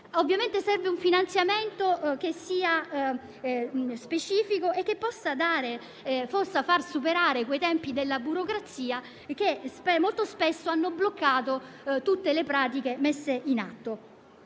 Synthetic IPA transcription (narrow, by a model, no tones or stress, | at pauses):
ovːjament̪esɛrveuɱfinant̪sjament̪ok̟esːiːa | spet͡ʃiːfikoʔek̟ːepːɔsːad̪aːɾe | forsːafarsupeɾaːɾekwejt̪ɛmpid̪elːabuɾokɾat̪siːa | k̟espɛmolt̪ospesːoanːoblokːaːt̪o | t̪ut̪ːelepɾaːt̪̬ik̟emesːeʔina̰t̪ːo